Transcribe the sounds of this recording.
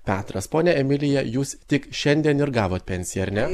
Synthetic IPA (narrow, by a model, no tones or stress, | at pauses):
pʲæːt̪ɾɐspoːnʲɛɛmʲɪlʲɪjɛjuːst̪ʲɪkʃʲɛnʲd̪ʲiɛnɪɾɡɑːʋoːt̪̚ʲpʲɛnʲsʲɪjɛɐɾʲnʲɛ